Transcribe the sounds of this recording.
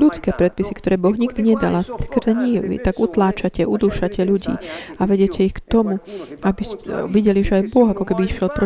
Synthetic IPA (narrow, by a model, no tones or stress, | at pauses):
lut͡skɛːpɾɛt̪̚pisikt̪ɔɾɛːbɔɣɲiɡd̪iɲɛd̪a̰lakɾd̪ɛɲiḭt̪aɡut̪laːt͡ʃacɛʔud̪uːʃacɛʎuɟḭːaʋɛɟɪɛcʰɛixkt̪ɔmuabisɛʋiɟɛliʒɛajbɔɣakɔkɛbiːxʃjɛlpɾɔ